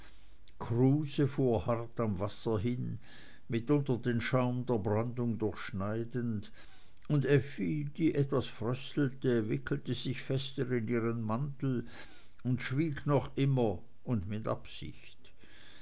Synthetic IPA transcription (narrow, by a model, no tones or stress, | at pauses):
kʰʁuːzəfuːɐhaʁtamvasɐɦɪn | mɪtʊntɐdeːnʃaʊmdeːɐbʁandʊŋdʊɐçʃnaɪdənd | ʊndɛfid̥iːʔɛtvasfʁœstl̩təvɪkʰl̩təz̥ɪçfɛstəʁɪniːʁənmantl̩ | ʊntʃv̥iːɡnɔχʔɪmɐ | ʊndmɪtʔa̰psɪ̰çt